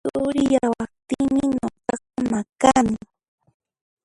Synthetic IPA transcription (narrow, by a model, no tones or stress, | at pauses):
ʊɾɪjawapt̪iŋmɪɲoqɑqɑmakamɪ